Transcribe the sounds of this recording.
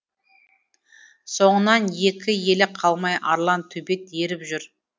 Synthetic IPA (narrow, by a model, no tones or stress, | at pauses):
so̞ɴənɑnje̞kʲɪje̞lɪqʰɑlˠmɑjʔɑɾlˠɑnt̪ʰɵbe̞t̪̚e̞ɾɪpʒʏɾ